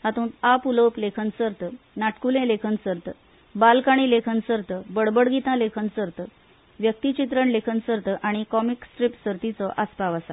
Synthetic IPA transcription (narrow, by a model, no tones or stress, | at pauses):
at̪ũːt̪apuləwplekʰənsəɾt̪ə | naʈʰkulẽlekʰənsəɾt̪ə | balkaɽ̃iːlekʰənsəɾt̪əbəɽbəɽɡit̪ãlekʰənsəɾt̪ə | ʋjək̚t̪it͡ɕit̪̬ɾəɳlekʰənsəɾt̪əʔaɽ̃ikɔmiksʈɾipsəɾt̪it͡sɔʔaspaʋəsa̰